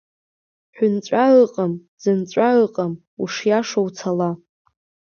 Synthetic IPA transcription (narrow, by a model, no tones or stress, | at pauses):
ħʷᶣʊnt͡sʷʼaɨqʼamz̥ɨnt͡ɕʷʼaɨqʼam | ṵʂjaʂowt͡sʰala